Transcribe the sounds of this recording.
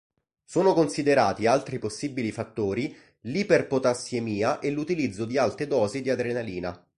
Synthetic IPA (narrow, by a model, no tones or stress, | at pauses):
soːnokonsid̪eɾaːt̪ialt̪ɾiposːibilifat̪ːoːɾi | liperpot̪asjemiːaʔelut̪ilid̪zːod̪ialt̪ed̪ɔːzid̪iad̪ɾenaliːna̰